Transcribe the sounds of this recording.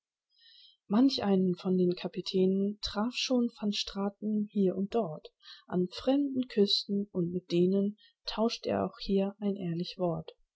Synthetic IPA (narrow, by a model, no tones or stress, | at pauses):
mançʔaɪnənfɔndeːnkʰapitʰɛːnəntʁ̥aːfʃoːnfɔnʃtʁ̥aːtn̩hiːɐʔʊnt̚d̥ɔɐtʔanfʁ̥ɛmdn̩kʰʏstn̩ʔʊntmɪt̚d̥eːnən | tʰaʊʃtḛːɐʔa̰ʊxhiːɐʔaɪnʔeːɐlɪçv̥ɔɐt